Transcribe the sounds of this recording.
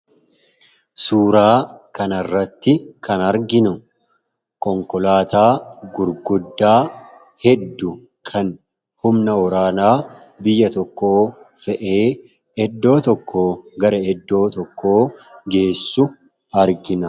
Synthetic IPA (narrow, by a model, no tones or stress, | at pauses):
suːɾaːkɐnɐrːɐt̪ːɪkʰɐnɐɾɡɪnʊ | kɔŋkɔlaːt̪aːɡʊɾɡʊd̪ːaː | hɛd̪ːʊ | kʰɐn | hʊmnɐɔɾaːnaː | bɪjːɐt̪ɔkːo̞ː | fɛʔe̞ː | ɛd̪ːo̞ːt̪ɔkːoːɡɐɾɐɛd̪ːo̞ːt̪ɔkːo̞ːɡe̞ːsːʊ | ɐɾɡɪnɐ